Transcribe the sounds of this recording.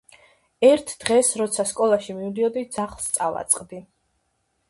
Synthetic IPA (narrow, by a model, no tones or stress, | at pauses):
ɛɾt̪ʰd̪̥ʁɛsɾɔt̪sʰaskʼɔlˠaʃimiud̪iɔd̪id̪zaχlˠst̪sʼava̰t̪sʼqʼd̪i